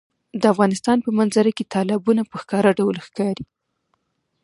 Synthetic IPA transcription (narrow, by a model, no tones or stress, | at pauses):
d̪əafɣɑnɪst̪ɑnpəmanzaɾaket̪ʰɑlɪbunapəxkɑɾaɖawlxkɑɾi